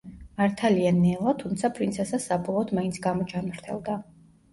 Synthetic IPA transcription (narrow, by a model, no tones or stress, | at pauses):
maɾt̪ʰalianɛlˠat̪ʰumt̪sʰapʰɾint̪sʰɛsasabɔlˠɔɔːd̪maint̪sʰɡamɔt͡ʃʰanmaɾt̪ʰɛlˠd̪a